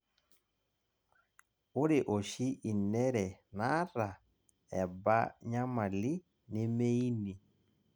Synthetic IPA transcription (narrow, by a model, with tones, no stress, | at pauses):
ʊ˦ɾe˨ʔo˨ʃi˦ʔi˨nɛ˦ɾɛ˨na˦ɾa˨ | ɛ˨ba̰˦ɲa˦ma˨li˦ | ne˦me˦i˦ni˨